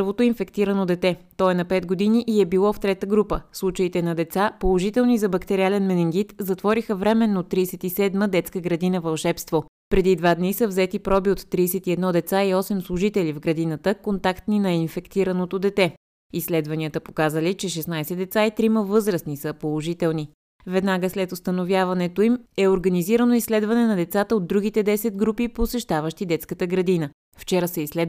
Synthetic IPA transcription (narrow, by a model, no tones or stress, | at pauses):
vot̪oinfɛkt̪iɾənod̪ɛt̪ɛt̪ɔɛnɐpɛt̪ɡod̪iniʔiɛbilˠɔft̪ɾɛt̪əɡɾupəslˠut͡ʃəit̪ɛnɐd̪ɛt̪sapolˠoʒit̪ɛlˠnizɐbɐkt̪ɛɾialɛnmɛnɛŋɡit̪zɐt̪vɔɾixəvɾɛmɛnːot̪ːɾiːsɛt̪isɛd̪məd̪ɛt̪skəɡɾɐd̪inəvɐlˠʃɛpst̪vo | pɾɛd̪id̪vad̪nisəvzɛt̪ipɾɔbiot̪ːɾiːsɛt̪iɛd̪nɔd̪ɛt̪saiɔsɛmslˠʊʒit̪ɛlʲivɡɾɐd̪inət̪əkont̪akt̪ninɐinfɛkt̪iɾənot̪od̪ɛt̪ɛ | islɛd̪vɐniət̪əpokazəlit͡ʃɛʃɛsnajsɛd̪ɛt̪sait̪ɾiməvɤzɾəsnisəpolˠoʒit̪ɛlˠni | vɛd̪naɡəslɛt̪ost̪ənovjavɐnɛt̪oimɛoɾɡɐniziɾənoislɛd̪vɐnɛnɐd̪ɛt̪sat̪əod̪̚ːɾuɡ̟it̪ɛd̪ɛsɛd̪ɡɾupiposɛʃt̪avəʃt̪id̪ɛt̪skət̪əɡɾɐd̪inə | ft͡ʃɛɾəsɛislɛd̪